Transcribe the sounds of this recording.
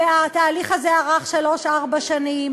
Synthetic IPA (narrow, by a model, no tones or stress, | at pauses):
at̪aːliχazeaʁaχʃalo̞ʃaʁbaʃanim